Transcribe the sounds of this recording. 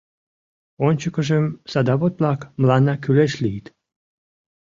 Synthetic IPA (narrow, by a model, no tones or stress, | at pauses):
onʲt͡ɕə̆kə̆ʒemsad̪ɑβot̪̚plɑkmlɑnɑkyleʃlʲit̪